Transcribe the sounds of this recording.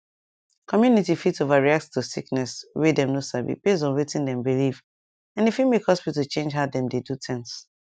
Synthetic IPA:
kʰɔmjunitifitovaɹiak̚ttusiknɛswedɛ̃mnosavḭb̥ezɔ̃nwetĩndɛ̃mbiliv | ãnifimekhɔspitut͡ʃẽnd͡ʒɦaʊdɛ̃mdedutʰɛ̃ŋs

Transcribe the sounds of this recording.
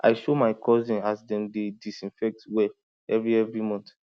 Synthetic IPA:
ʔa̰ɪʃomaɪkʰɔzĩnasdɛ̃ndedisĩnfɛk̚twɛl | ɛvɹiɛvɹimɔ̃nt

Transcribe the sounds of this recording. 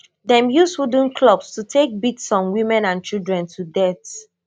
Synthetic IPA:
dɛ̃mjushud̃n̩kʰlɔbstutʰek̚bitsɔ̃mwĩmɛ̃nãnt͡ʃilˠdɹɛ̃ntʰudɛθ

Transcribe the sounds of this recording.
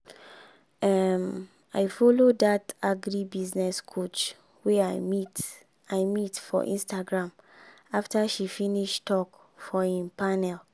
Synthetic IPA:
ɛm | a̰ɪfɔlodataɡɹibiznɛskʰot͡ʃ | wɛait | aɪmitfɔ̰ʔḭ̃nstaɡɹãm | aftaʃifiniʃtɔk | fɔĩmpanɛl

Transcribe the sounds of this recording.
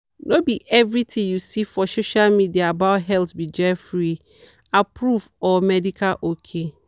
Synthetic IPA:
nʔobiʔɛvɾitʰĩŋjusifɔsoʃalmidiaːbaʊtɦɛltbid͡ʒɛfɾi | apʰɹufɔmɛdikʰalʔokʰe

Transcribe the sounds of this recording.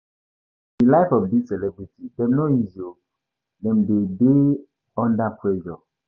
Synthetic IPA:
dilaɪfɔvbisɛlɛbɹitʰidɛ̃mnoizo | dɛ̃mdede | ɔ̃ndapʰɹɛʒɔ

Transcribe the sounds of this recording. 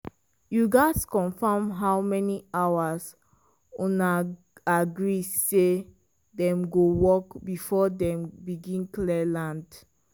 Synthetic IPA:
juɡaskɔ̃nfamɦaʊmɛniawas | ũna | aɡɹise | dɛ̃mɡowɔkbifɔdɛ̃mbiɡĩnklɛlãnd

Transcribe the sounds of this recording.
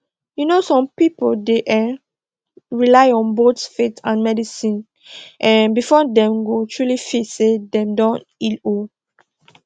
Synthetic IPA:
junosɔ̃mpipoldeʔɛ | ɹilaɪɔ̃nbotfetãnmɛdisĩn | ʔɛ̃nbifɔdɛ̃mɡotʰɹulifitsedɛ̃mdɔ̃n | ilo

